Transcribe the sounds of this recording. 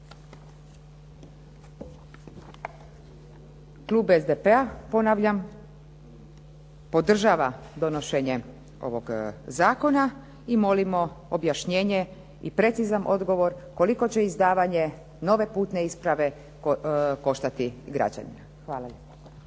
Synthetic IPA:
klˠuːbezd̪epeapo̞naʋʎam | po̞d̪r̩ʒaːʋad̪o̞no̞ʃe̞ɲe̞ | o̞̰ʋo̞ɡzaːko̞na | imo̞limo̞objaʃɲe̞ːɲe̞ | ipɾe̞t̪sizanʔo̞d̪ɡo̞ʋo̞ɾko̞liko̞t͡ɕe̞izd̪aːʋaɲe̞ | no̞ʋe̞puːt̪ne̞ispɾaʋe̞ | ko̞ʃt̪at̪iɡɾa̰d͡ʑa̰nḭma | xʋaːlaʎepḁ

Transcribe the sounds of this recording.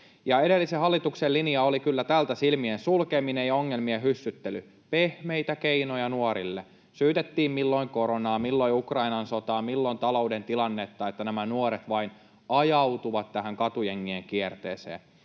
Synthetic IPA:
jɑede̞lːisehɑlːit̪ukselːiniɑolikylːæt̪ælt̪æsilmiensulkeminejɑoŋːelmiehysːyt̪ːely | pehmeit̪ækeinojɑnuoɾḭlːḛ | syːt̪et̪ːiːmmilːo̞iŋkoɾonɑːmilːoiukrɑinɑnsot̪ɑːmilːont̪ɑlo̞udent̪ilɑnːet̪ːɑet̪ːænæmænuoɾet̪ʋɑin | ɑjɑwt̪uʋɑt̪t̪æɦæŋkɑt̪ujeŋːieŋkiert̪ḛːsḛːn

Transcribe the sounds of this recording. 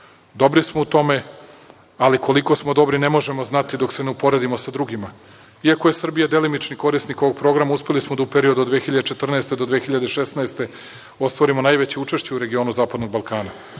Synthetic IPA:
d̪o̞bɾismout̪o̞me̞ | aliko̞liko̞smo̞d̪o̞bɾinemo̞ʒe̞moznat̪id̪o̞kse̞neupo̞ɾe̞d̪imosad̪ɾuɡima | iako̞je̞sr̩bijad̪e̞limit͡ʃniko̞ɾisniko̞ʋoɡ̚pɾo̞ɡɾamauspe̞lismod̪aupe̞ɾio̞d̪uod̪ʋeːxiʎad̪et͡ʂe̞t̪r̩naest̪ed̪od̪ʋeːxiʎad̪eʃesnaest̪e̞ | o̞st̪ʋoɾimo̞najʋet͡ɕe̞ut͡ʂe̞ʃt͡ɕeuɾe̞ɡio̞ːnuzaːpad̪no̞ɡ̚balˠkaːna

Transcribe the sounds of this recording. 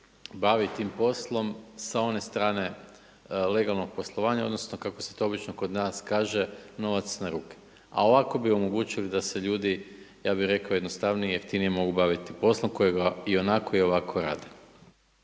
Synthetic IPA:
baʋit̪iːmpo̞slˠo̞msao̞ne̞st̪ɾaːne̞ | le̞ɡalˠno̞ɡ̥̚po̞slˠo̞ʋaːɲao̞d̪no̞snokako̞se̞t̪o̞o̞bit͡ʃnoko̞d̪naːskaːʒe̞no̞ʋat̪snaɾuːke̥ | a̰o̞ʋako̞bio̞mo̞ɡuːt͡ʃilid̪aseʎuːd̪i | jaːbixɾe̞kaojd̪nost̪aʋnijeft̪inijemo̞ɡubaʋit̪ipo̞slˠomko̞jeɡaio̞nako̞io̞ʋakʰo̞ɾa̰ːd̪e

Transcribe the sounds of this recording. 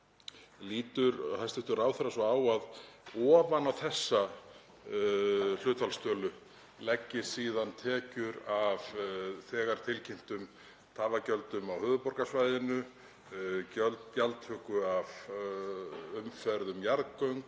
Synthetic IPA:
liːt̪ʏɾhajst̪ɪht̪ʏɾaːwθɛɾasvɔaːwaðɔːvanawθɛsːa | l̥ʏːt̪falst̪œːlʏ | lɛcːɪ̥siːðant̪ʰɛːcʏɾavθɛːɣaɾ̥t̪ʰɪlcʰejm̥t̪ʏm | t̪ʰaːvacœlt̪ʏmawhʏːðʏpɔɾkasvaːjðɪnʏ | ljalt̪hʏːkʏav | ʏmfɛɾðʏmjaɾkœɥŋk

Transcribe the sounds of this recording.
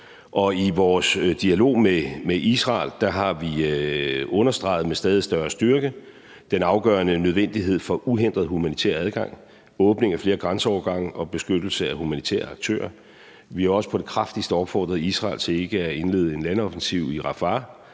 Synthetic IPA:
ʔɒ̽iʋɒːsd̥iælo̝̰ːmemeʔisʁɑ̈ːld̥ɑ̈ɦɑ̈ʋi | ɔ̽nɐsd̥ʁɑ̈ɪð̞̩ˠmesd̥ɛːð̞ˠisd̥ɶɐsd̥yɐɡ̥ə | d̥enɑ̈ʊɡ̥ɶːɐnənøð̞ˠʋen̰d̥iɦe̝ð̞̰ˠfɒ̽ʔuɦen̰d̥ʁɐð̞̩ˠɦumænit͡sʰæ̰ːɐæð̞ˠɡ̥ɑ̈ŋ̰ | ɔ̽ːb̥ne̝ŋæfle̝ːɐɡ̥ʁɑnsəɒʊɐɡ̥ɑ̈ŋ̰ɒ̽b̥e̝sɡ̥ød̥l̩səæhumænit͡sʰæ̰ːɐɑ̈ɡ̥̚t͡sʰø̰ːɐ | ʋihɑ̈ɒ̽sə̥pʰɒ̽ɾ̥e̝kʰʁɑfd̥isd̥əɒ̽b̥fɒ̰ːd̥ʁɐðˠisʁɑ̰̈ːlt͡sʰe̝e̝ɡ̥əæe̝nle̝̰ːð̞̩ˠe̝nlænɒfn̩siʊ̰iʁɑ̈fɑ

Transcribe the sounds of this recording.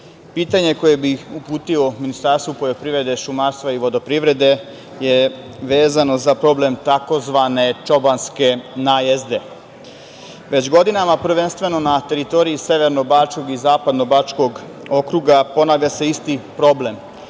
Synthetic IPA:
piːt̪aɲe̞ko̞je̞biupuːt̪io̞minist̪aɾst̪ʋupo̞ʎʲo̞pɾiʋɾe̞d̪e̞ʃumaɾst̪ʋaiʋo̞d̪o̞pɾiʋɾe̞d̪e̞ | je | ʋe̞ːzano̞zapɾo̞ble̞mt̪ako̞zʋaːne̞t͡ʃo̞banske̞najezd̪e̞ | ʋe̞t͡ɕɡo̞d̪inamapɾ̩ʋe̞nst̪ʋe̞no̞nat̪e̞ɾit̪o̞ːɾiise̞ʋe̞ɾno̞baːt͡ʃko̞ɡizaːpad̪no̞baːt͡ʃko̞ɡ | o̞kɾuɡapo̞naːʋʎaseist̪ipɾo̞ble̞m

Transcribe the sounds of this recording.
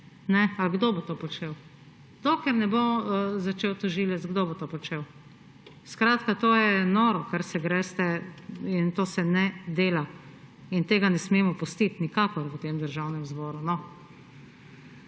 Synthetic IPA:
nɛaɡd̪oːbot̪oːpɔt͡ʃeːw | d̪̥okɛɾnɛbozat͡ʃeːwt̪ɔʒiːlɛt̪zɡd̪oːbot̪oːpɔt͡ʃeːw | skɾaːt̪kat̪oːjɛnoːɾɔkaɾsɛɡɾɛst̪ɛint̪oːsɛnɛd̪eːla | int̪eːɡanɛsmeːmɔpɔst̪it̪nikaːkɔɾət̪eːmd̪əɾʒawnɛmzbɔːɾunɔ

